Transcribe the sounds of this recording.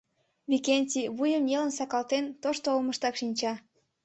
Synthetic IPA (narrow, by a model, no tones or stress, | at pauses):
βikenʲtʲiβujəmjelənsɑkɑlt̪ent̪oʃt̪oolməʃt̪ɑkʃinʲt͡ɕɑ